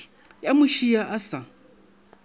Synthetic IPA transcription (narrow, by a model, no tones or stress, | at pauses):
jamʊʃijaʔasa